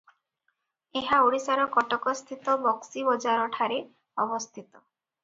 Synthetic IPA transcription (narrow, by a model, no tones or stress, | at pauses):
eɦaoɽisaɾɔkɔʈɔkɔst̪ʰit̪ɔbɔksibɔd͡ʒaɾɔʈʰaɾe | ɔbɔst̪ʰit̪ɔ